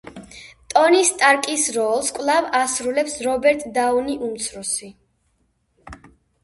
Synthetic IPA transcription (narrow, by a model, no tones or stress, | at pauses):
t̪ʼɔnist̪ʼaɾkʼisɾɔlˠskʼvlˠavasɾulɛpsɾɔbɛɾt̪ʼd̪auniʔumt̪sʰɾusi